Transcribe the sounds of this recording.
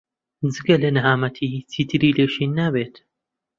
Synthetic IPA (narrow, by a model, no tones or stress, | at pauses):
d͡zɨɡɐlɐnɨɦaːmɐt̪ʰit͡sʰiːt̪ʰɨɾiːleːʃiːnːaːbeːt̪